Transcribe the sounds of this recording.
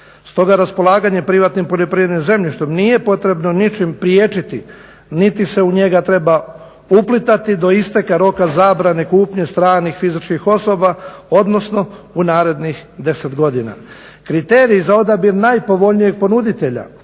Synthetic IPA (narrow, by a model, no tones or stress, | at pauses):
st̪o̞ɡaɾaspo̞lˠaːɡaɲe̞pɾiʋat̪nimpo̞ʎopɾiʋed̪neze̞mʎʲiʃt̪omnije̞po̞t̪ɾe̞bno̞nit͡ʃimpɾijeːt͡ʃit̪i | nit̪ise̞uɲe̞ɡat̪ɾe̞ba | uplit̪at̪id̪o̞ist̪e̞kaɾo̞kazaːbɾane̞kuːpɲest̪ɾaːnixfizit͡ʃkixo̞so̞bao̞d̪no̞sno̞unaːɾe̞d̪nixd̪e̞set̪ɡo̞d̪ina̰ | kɾit̪e̞ːɾiːzao̞d̪abiɾnajpo̞ʋo̞ʎnije̞ɡ̚po̞nud̪it̪e̞ʎa̰